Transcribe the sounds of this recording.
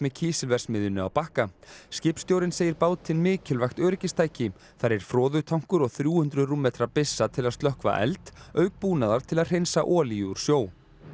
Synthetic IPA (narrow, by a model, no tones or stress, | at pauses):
mɛcʰiːsɪlvɛr̥smɪðʏnʏawpahkascɪpst̪jowɾɪnseːjɪɾpaːwt̪ʰɪnmɪːcɪlvajxt̪œːɾɪcɪst̪ʰaːjcɪ | θaɾɛɾ̥fɾɔːðʏt̪ʰawŋ̥kʏɾɔɣθɾjuːhʏnt̪ɾʏðruːmɛːt̪ɾapɪsːat̪ʰɪlaðst̪lœhkva̰ʔɛ̰lt̪œːɥk̚puːnaðaɾ̥t̪ʰɪlaðr̥ejnsaʔɔːliuɾ̥sjoːw